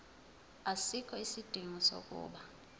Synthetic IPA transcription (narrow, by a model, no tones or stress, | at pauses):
asikʰɔisid̥ʱiŋɔso̰k̬ʼṵːɓa